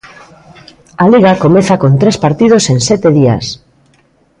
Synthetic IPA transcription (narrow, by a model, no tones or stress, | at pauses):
aliɣakomeθakont̪ɾespaɾt̪ið̞osensɛt̪eðia̰s